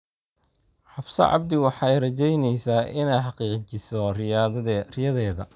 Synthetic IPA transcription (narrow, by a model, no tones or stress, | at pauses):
ħɑfsɐ̰ʕɑ̰bd̪ɪwɑħɑjrɐt͡ʃɛjnɛjsaːʔɪnɛjħɑqiːqt͡ʃɪsɔr | rɪjɐðɛːðɐ